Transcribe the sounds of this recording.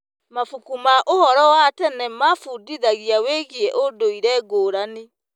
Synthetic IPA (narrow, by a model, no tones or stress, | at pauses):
mafukumaʔohɔɾɔwatɛnɛmafudiðaɣiaweɣiɛʔodoiɾɛɡoːɾane